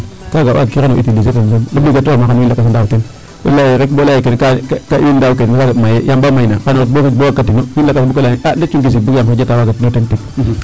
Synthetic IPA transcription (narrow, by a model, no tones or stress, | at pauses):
kaɡawa̰kianoitilietensomabiɡatuamakanwilakːs̬andauten | wḛlːajiɾekbolajikenkakaindawukenmakaɡamajejambamainakanoɾbokikboakːatinowilakːsbukolaiadet͡ʃuŋkis̬ibukamkad͡ʒatawakatinotentik